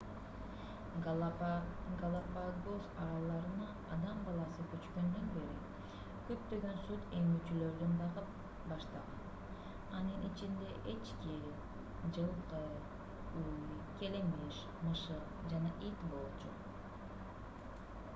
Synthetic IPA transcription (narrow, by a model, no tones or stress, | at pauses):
ɡəlˠapaɡosɑɾɑlˠɑɾɯnɑ | ɑd̪ɑmbɑlˠɑsɯkøt͡ʃkø̞nd̪ønbe̞ɾi | kø̞p̚t̪ø̞ɡø̞nsut̪e̞ŋyt͡ʃylø̞ɾd̪ynbɑʁɯp | bɑʃt̪ɑʁɑn | ɑnɯnʔit͡ʃind̪e̞ʔe̞t͡ʃki | d͡ʒɯlˠqɯ | uj | kʲe̞lemiʃ | mɯʃɯq̚d͡ʒɑnɑʔit̪bo̞lˠt͡ʃṵ